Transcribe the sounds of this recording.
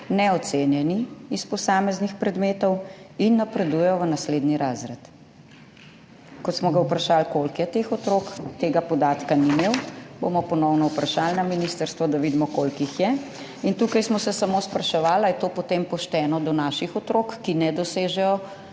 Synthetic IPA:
nɛɔt̪seːnjɛniːspɔsaːmɛznixpɾɛd̪meːt̪ɔwinːapɾɛd̪ujɛjɔʋənasleːd̪niɾaːzɾɛt̪ | kɔt̪smɔɡawpɾaʃaːlkolkjɛt̪exɔt̪ɾoːkt̪eːɡapɔd̪aːt̪kanimeːwbo̰mɔpɔnɔwnɔupɾaʃalnaminist̪əɾst̪ʋɔd̪aʋiːd̪mɔkolkixjɛ | int̪uːkajsmɔsɛsamoːspɾaʃɛʋaːlajɛt̪oːpɔt̪empɔʃt̪ɛːnɔd̪ɔnaːʃixɔt̪ɾokːinɛd̪ɔseːʒɛjɔ

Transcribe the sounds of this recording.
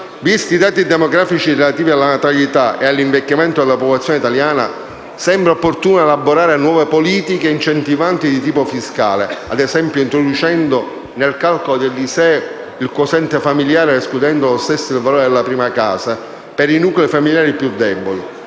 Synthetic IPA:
vist̪id̪aːt̪id̪ɛmoɡɾaːfit͡ʃirelat̪iːvialːanat̪alit̪aʔealːiɱvekːamɛnt̪od̪elapoplat̪sːjoːneit̪aljaːna̰ | sɛmbɾaopːort̪uːnaelaboɾaːɾenwɔːvepoliːt̪ikeint͡ʃent̪ivant̪id̪it̪̬iːpofiskaːlea̰d̪ɛsɛmpjoint̪ɾod̪ut͡ʃɛnd̪o | nelkalkolod̪elːisɛ | ilkosɛnt̪efamiljaːɾeesklud̪ɛnd̪olost̪ɛsːoilvaloːɾed̪elːapɾiːmakaːsa | peɾinukleifamiljaːɾipjud̪ːɛboli

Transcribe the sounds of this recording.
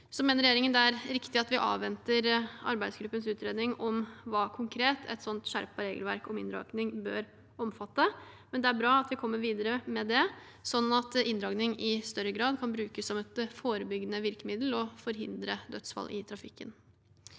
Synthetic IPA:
sɔmeːnəɾɛjeːɾɪŋənd̪ɛæɾɾɪkt̪ɪɑt̪ʋɪʔɑ̰ːʋʋɛnt̪əɾɑ̰ɾbæɪd̪sɡɾʉpːənsʉːt̪ɾeːd̪nɪŋɔmʋɑːkʰʊŋkʰɾeːt̪ʰɛ̰t̪sɔnt̪ʂæɾpɑɾeːɡəlʋæ̰ɾkɔmɪnd̪ɾɑ̰ɡnɪŋbøːɾ | ɔmfɑt̪ːə | mɛnd̪ɛæɾbɾɑːɑt̪ʋɪkʰɔmːəɾʋiːd̪əɾəmɛd̪ɛ | sɔnɑt̪ɪnd̪ɾɑːɡnɪŋɪst̪œɾːəɡɾɑːd̪kʰɑnbɾʉːkəsːɔmɛt̪foːɾəbʏɡənəʋɪɾkəmɪd̪l̩ɔfɔɾɦɪ̰nd̪ɾəd̪œt̪sfɑ̰lʔɪt̪ʰɾɑfɪkːə̰n

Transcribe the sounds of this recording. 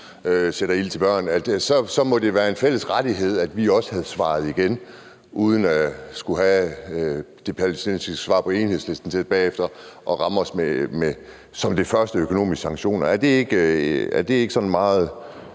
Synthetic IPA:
øseɾ̥ɐil̰t͡sʰe̝lb̥ɶɐ̰næd̥sɒ̽sɒ̽mɒ̽d̥e̝ʋæːɐe̝nfel̰əsʁad̥iɦe̝ð̞̰ˠæd̥ʋiɒ̽sə̥hæð̞ˠsʋɑ̰̈ːð̞̩ˠiɡ̥en | ʔuːð̞ˠən̩æsɡ̥uɦæ | d̥e̝pʰælsenssʋɑ̈ːpʰɒ̽e̝ːnhe̝ðˠsle̝sd̥n̩t͡sʰe̝d̥̚b̥ɛ̰ːefd̥ɐʔɒ̽ʁɑ̈mɒ̽smeme | sɒ̽md̥e̝fɶɐsd̥əøkʰo̝no̝̰ːmisɡ̥sɑ̈ŋɕo̝̰ːnɐæɐd̥e̝eɡ̥æɐd̥e̝e̝ɡ̥əsɒ̽nmɑ̈ːð̞̩ˠ

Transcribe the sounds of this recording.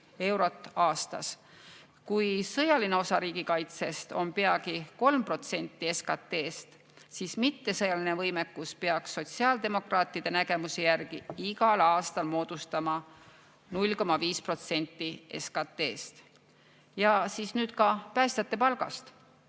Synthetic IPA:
e̞wɾo̞t̪ːˑɑːst̪ɑ̰s | kujsɤjɑlineo̞sɑɾiːɡ̥ikɑjt̪se̞st̪o̞mpe̞ɑɡiko̞lmpro̞t̪se̞nʲt̪ːˑie̞skɑt̪ːe̞ːst̪ | siːsmit̪ːe̞sɤjɑlinevɤjmekːuspeɑksːo̞t̪ʲsiɑːld̪̥e̞mo̞krɑːt̪ːˑid̪̥enæɡe̞musejærɡ̥iiɡɑlɑːst̪ɑlmo̞ːd̪̥ust̪ɑmɑ | nulʲko̞mɑviːspro̞t̪se̞nʲt̪ːˑie̞̰skɑt̪ːˑe̞ːst̪ | jɑsiːsnyːd̪̥kɑpæːst̪jɑt̪ːˑe̞pɑlɡ̥ɑ̰st̪

